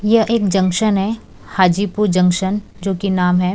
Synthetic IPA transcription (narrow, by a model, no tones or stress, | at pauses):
jɐʔeːkd͡ʒɐ̃ŋkʃənɦɛ | haːd͡ʒiːpud͡ʒɐ̃ŋkʃən | d͡ʒoːkinaːmɦɛ